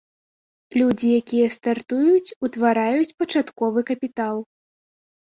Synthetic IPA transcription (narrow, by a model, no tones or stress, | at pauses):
lʲud͡zʲijakʲijɛst̪art̪ujut͡sʲut̪vaɾajut͡sʲpɐt͡ʂat̪kɔvɨkɐpʲit̪alˠ